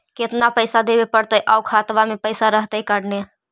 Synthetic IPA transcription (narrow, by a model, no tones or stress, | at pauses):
kɪt̪napəɪsad̪eːʋepəɽt̪əʔɔːʊkʰaːt̪ʋamẽpəɪsaɾəɦt̪əkəɽne